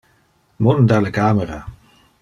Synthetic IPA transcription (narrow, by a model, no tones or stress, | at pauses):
monəndaːləkaːməraː